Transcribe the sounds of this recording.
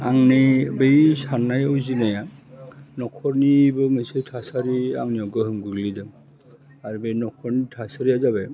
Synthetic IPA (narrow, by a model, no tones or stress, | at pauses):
aŋnibejsanajɔjzinaja | nɔkʰɔɹnibɔmesetʰasaɾia̰ŋniɔɡɔɦɯmɡuɡlidɯŋ | aɹubejnɔkʰɔɹnitʰasaɾiazabɛ